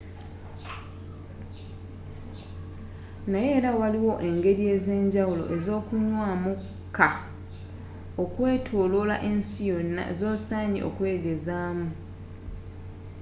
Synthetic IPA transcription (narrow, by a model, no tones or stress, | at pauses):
naje̞ːɾawaliwo̞ʔe̞ŋɡe̞ɾie̞ze̞ːɲɟawulo̞̰ʔe̞zo̞ːkuɲwaːmu | kʰːa | o̞kwe̞ːtʰoːlola̰ʔe̞nsijonːa̰zo̞ːsaːɲḭʔo̞̰kwe̞ːɡe̞zaːmu